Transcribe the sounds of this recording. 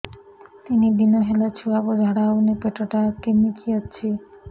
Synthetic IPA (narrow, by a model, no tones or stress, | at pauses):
t̪inibinoɦelat͡ɕʰuabod̪ʱaɽaunepeʈoʈakemikʰiaɕʰe